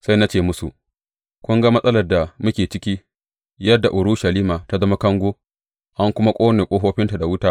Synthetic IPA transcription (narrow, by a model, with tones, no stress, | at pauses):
sa˦jna˦t͡ʃeː˦˨mʊ˦su˨ʔ | kʷʊ˦ŋɡa˦mɐ˦sʼɐ˦lɐ˨rda˨mʊ˦kʲeː˨t͡ʃɪ˦kʲi˦ | jɐ˦dːa˨ʔʊ˨ɾʊ˦ʃɐ˨liː˦maː˨ta˦zɐ˦ma˦kɐ˦ŋɡʷoː˦ | ʔa˦ŋkʷʊ˦ma˦kʷʼoː˦neː˨kʷʼoː˦ɦoː˦ɸɪ˦nta˨da˨wʊ˦taː˦